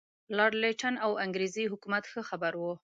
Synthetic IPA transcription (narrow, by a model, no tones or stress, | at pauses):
lɑɾleʈanawaŋɡɾeziɦʊkumat̪xəxabaɾwu